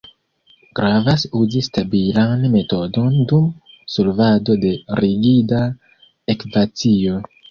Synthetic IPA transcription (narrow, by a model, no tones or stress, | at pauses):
ɡ̥ɾavasuzistabilanme̞to̞do̞ndum | solvado̞de̞ɾiɡida | ekvat͡sio̞